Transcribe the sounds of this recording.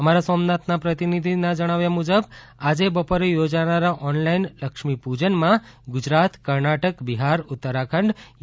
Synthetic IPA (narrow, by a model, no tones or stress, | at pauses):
əmaɾasɔmnat̪napɾət̪inid̪ʱinad͡ʒəɽ̃aʋjamud͡ʒəb | ad͡ʒebəpoɾejod͡ʒanaɾaʔɔnlainləkʂmipud͡ʒənmãɡʊd͡ʒɾat̪kəɾnaʈəkbiɦaɾʊt̪ːəɾakʰəɳɖ